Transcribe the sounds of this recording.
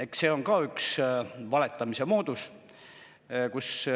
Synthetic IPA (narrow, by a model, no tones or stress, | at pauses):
ekse̞ːo̞ŋkɑːyksvɑle̞t̪ːˑɑmise̞mo̞ːd̪us | kus